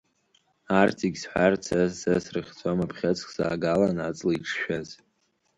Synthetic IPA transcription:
artʰiɡʲsħʷart͡sʰasasrɨχʲt͡sʰʷʼamapʰχʲat͡sʰʼkʰʼsa̰ːɡalanat͡sʼlaiʈ͡ʂʰʃᶣaz

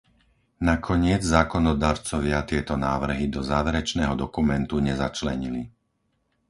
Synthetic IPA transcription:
nakʰɔɲɪɛd͡zzaːkɔnɔd̪aːɾt͡sɔʋɪat̪ɪɛt̪ɔnaːʋr̩ɦid̪ɔzaːʋɛɾɛt͡ʃnɛːɦɔd̪ɔkumɛnt̪uɲɛzat͡ʃlɛɲili

